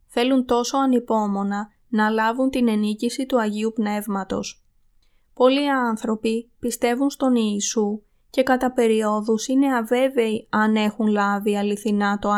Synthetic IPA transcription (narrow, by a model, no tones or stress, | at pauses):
θe̞lunt̪o̞so̞ɐnipo̞mo̞nɐ | nɐlɐvunt̪ine̞nicisit̪uɐʝiupne̞vmɐt̪o̞̰s | po̞liɐnθɾo̞pipist̪e̞vunst̪o̞niːsu | ce̞kɐt̪ɐpe̞ɾio̞ðusine̞ɐve̞ve̞iɐne̞xunlɐviɐliθinɐt̪o̞